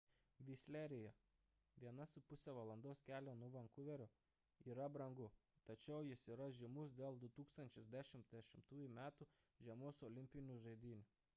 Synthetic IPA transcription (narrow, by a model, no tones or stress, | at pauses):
ʋʲisʲlʲæɾʲɪjɛ | ʋʲiɛnɐsʊpʊsʲɛʋɐlˠɐnd̪oːskʲæːlʲonʊʋɐŋkʊʋʲɛɾʲʊ | iːɾɐbɾɐŋɡʊt̪ɐt͡ʃʲɛʊjɪsiːɾɐʒʲɪmʊs̬d̪ʲeːlˠd̪ʊt̪uːkst̪ɐnʲt͡ʃʲʊsd̪ʲæʃʲɪmʲt̪ʲd̪ʲɛʃʲɪmt̪uːjumʲæːt̪u | ʒʲɛmoːsɔlʲɪmʲpʲɪnʲʊʒɐɪd̪ʲiːnʲʊ